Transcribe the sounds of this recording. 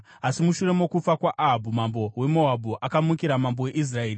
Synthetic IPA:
asimuʃure̞mokup͡fakwaʔaɦabʱumambo̞we̞mo̞abʱuʔakamukiɾamambo̞we̞ʔis̬rae̞ːri

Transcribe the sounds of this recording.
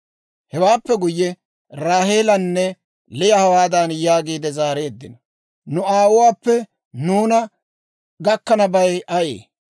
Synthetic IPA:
hɛwaːpːɛɡʊjːɛ | ɾaːɦeːlɐnːɛ | lɪjɐhɐwaːd̪ɐnjaːɡiːd̪ɛzaːɾe̞ːd̪ːɪnɐ | nʊaːwʊwaːpːɛ | nuːnɐ | ɡɐkːɐnɐbɐjʔɐʔḛː

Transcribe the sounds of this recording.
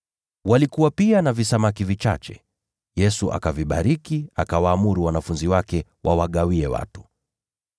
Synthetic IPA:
walikuwapianavisamakivit͡ʃa̰t͡ʃɛ̰ | jɛsuʔa̰kaviɓa̰ɾikiakawaːmuɾuwanafunziwakɛ | wʔawaɠawiɛwa̰tu̥

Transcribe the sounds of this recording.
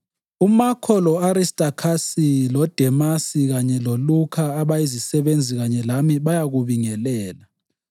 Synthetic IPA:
umakʰɔlɔaɾistʼakʰasilɔd̥ʱɛmasiɣaɲɛlolukʰaːβaizisɛβend͡zʱiɣaɲɛlamiβajaɣuβiŋɛlɛːla

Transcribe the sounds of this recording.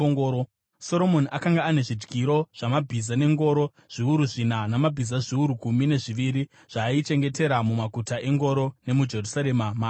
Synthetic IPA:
o | so̞ɾo̞mo̞niʔakaŋɡaːne̞ʐid͡ʒɡiɾo̞ʐ̥amabʱizane̞ŋɡo̞ɾo̞ | ʐ̥iuɾuʐinanamabʱizaʐiuɾukumine̞ʐiʋiɾi | ʐ̥ait͡ʃe̞ŋɡe̞te̞ɾamumakutaʔe̞ŋɡo̞ɾo̞ne̞mud͡ʒe̞rusaɾemamaː

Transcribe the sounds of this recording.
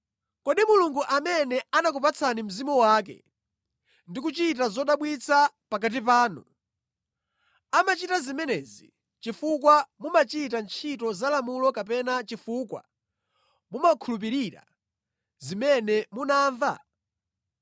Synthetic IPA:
kɔɗimuluŋɡuʔamɛnɛanak̬upat͡sʰanim̩zimɔwaːk̬ɛ̰ | ndik̬ut͡ʃitazɔɗaɓwit͡sʰa | pakat̬ip̬aːnṵ | amat͡ʃitazimɛnɛːzḭ | t͡ʃifukwamumat͡ʃitant͡ʃʰitɔzalamulɔkapɛnat͡ʃifuːkwa̰ | mumakʰulup̬iɾiɾa̰ | zimɛnɛmunaːɱva̰

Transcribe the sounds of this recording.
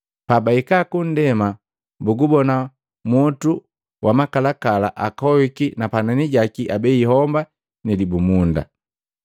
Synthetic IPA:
pabaikakun̩dɛma | buɡubɔna | mɔtu | wʔamakalakala̰ʔakɔikinapananiɟakiʔabɛiɦɔmba | nilibumunda̰

